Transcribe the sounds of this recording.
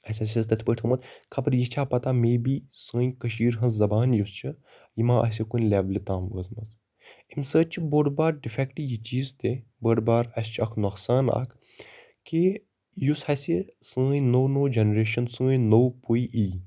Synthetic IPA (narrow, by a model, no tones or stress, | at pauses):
ɐsʲɐs̬ʲɐst̪ɐt̪ʰʲpəʈt̪ʰɨmɐt̪kʰɐpɾjit͡ʃʰaːpɐt̪aːmeːbiːsɨ̃ːjkɐʃiːɾɦɐnzzɐbaːnjust͡ʃʰɨ | jimãːʔɐ̰s̬ikunʲlʲɛːblit̪ãːmɡɐzmɐs | imsəːt͡ʃʰboːɖbaːɾɖifɛkʈijit͡ʃiːzt̪e | bəɖbaːɾɐst͡ʃʰɐkʰnɐxsaːna̰kʰ | ki | jushɐsʲisɨ̃ːjnoːnoːd͡ʒenɾeːʃɐnsɨ̃ːjnowpuiʔiː